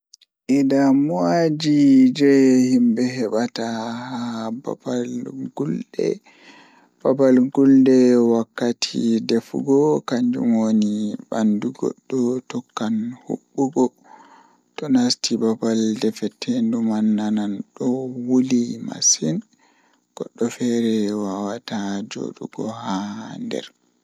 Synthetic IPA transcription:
ʔidamwad͡ʒid͡ʒɛhimbɛhɛɓatahaba̰balɡuldɛ̰ | b̥abalɡuldɛwakːatʰḭdefɡɔkaɲd͡ʒṵmwonibanduɡɔ̰ɗːɔtɔkːanhṵɓːuɡɔ | tɔnastibabaldɛfɛtʰːɛndumanːananɗɔwulima̰sin | ɡ̥ɔɗːɔfɛɾɛwawatad͡ʒo̰ɗṵɡɔ̰handɛ̰ɾ

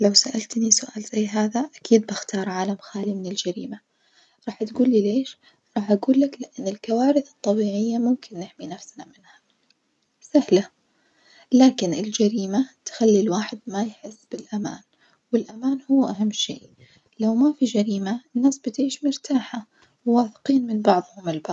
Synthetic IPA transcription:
lawsaʔalt̪nisʊʔa̰ːlz̥ajːɦaːðaʔakʰiːd̪̚bɪxt̪ɑːɾˤʕaːlamxaːlimɪnɪld͡ʒaɾḭːma | ɾˤɑːħat̪ɡuːlːileːʃ | ɾˤɑːħʔaɡuːlːaklɪʔanːɪlkawaːɾɪθɨt̪ˤːɑbiːʕɪjːamʊmkɪnːɪħminafsnamɪnha | sahla | laːkɪnʔɪld͡ʒaɾiːmat̪xalːilwaːħɪd̪̚majħɪsːb̥ɪlʔama̰ːn | wɪlʔamaːnhʊwːʔaɦamːʃḛːʔ | lawmafid͡ʒaɾiːmaɪnːaːsbɪt̪ʕiːʃmʊɾt̪ʰaːħa | wwaːθɪ̥qiːnmɪnbɑʕðˤhʊmɪlbɑ

